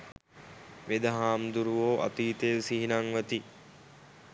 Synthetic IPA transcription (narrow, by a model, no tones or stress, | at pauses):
ʋed̪ɐɦaːmd̪uɾuʋoːʔa̰t̪iːt̪ejsiɦinaŋʋət̪i